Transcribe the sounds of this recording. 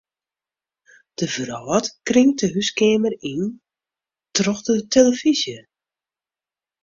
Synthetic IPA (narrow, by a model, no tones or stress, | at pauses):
d̥əvrɔːtkrɪŋtəɦyskeːmərin | trɔxdətʰeləv̥izjə